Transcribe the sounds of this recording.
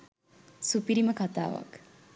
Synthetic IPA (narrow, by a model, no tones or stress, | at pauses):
supiɾiməkat̪a̰ːʋa̰k